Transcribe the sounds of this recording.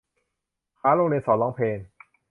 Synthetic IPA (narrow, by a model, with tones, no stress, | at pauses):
kʰaː˦˥ɾo˧ŋli˧nsɔː˩˦nlɔː˦˥ŋpʰeː˧n